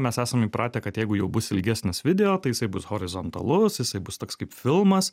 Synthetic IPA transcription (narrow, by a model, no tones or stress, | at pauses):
mʲɛsæːsɐmiːpɾɑːt̪ʲeːkɐt̪jɛɪɡʊjɛʊbʊsɪlʲɡʲæːsʲnʲɪsʋʲɪd̪ʲɛoːt̪ɐɪjɪsɐɪbʊshoːɾʲɪzoːnt̪ɐ̰lˠʊsjɪsɐɪbʊst̪oːkskɐɪpfʲɪlˠmɐs